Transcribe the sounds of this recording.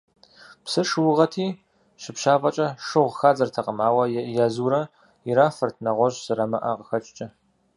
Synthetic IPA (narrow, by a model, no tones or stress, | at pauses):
psɨʂɨwʊʁɐtʰiː | ʃɪpʃaːpʼɐt͡ʃʼɐʂɨʁʷxaːzɐrtʰɐqəmaːwɐjaːzuːɾɐ | ɪɾaːfɐrtʰnɐʁʷɔʑzɨɾɐmɐʔa̰ːqəxɐt͡ʃʼt͡ʃʼɐ